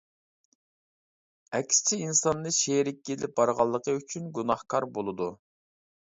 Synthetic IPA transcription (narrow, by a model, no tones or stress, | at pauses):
ɛkʲst͡ʃʰiinsɑnːɨʃeɾɪkʲːelɪp̚bɑɾʁɑlˠːəqʰəyt͡ʃʰynɡunɑhkʰɑɾbolˠɨd̪u